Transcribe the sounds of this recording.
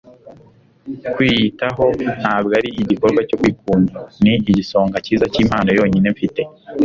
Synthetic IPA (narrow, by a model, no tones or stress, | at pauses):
kwiːjitaɦo̞n̥haːbɡaɾiʔiɟiko̞ɾɡwaco̞kwiːk̚uːnaniiɟiso̞ːŋɡaciːzaciːm̥haːno̞jo̞ːɲine̞ɱfite̞